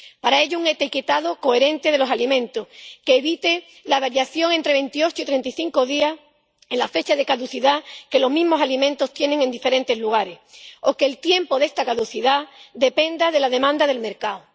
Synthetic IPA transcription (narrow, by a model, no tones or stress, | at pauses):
paɾae̞ʎouŋet̪iket̪aðoko̞e̞ɾẽ̞nt̪e̞ðe̞lo̞salimẽ̞nt̪oske̞ːβit̪e | laβaɾjaθjo̞ŋent̪ɾe̞βe̞nt̪io̞t͡ʃoit̪ɾe̞nt̪iθiŋko̞ðias | e̞nlafe̞t͡ʃaðe̞kaðuθiðake̞lo̞ɦmĩɦmo̞salimẽ̞nt̪o̞st̪je̞nẽ̞ŋe̞nd̪ife̞ɾẽ̞nt̪e̞zluɣ̞aɾe̞so̞ke̞ːlt̪je̞mpo̞ðest̪akaðuθiðad̪e̞pe̞nd̪aðe̞laðe̞mãnd̪aðe̞lme̞ɾkao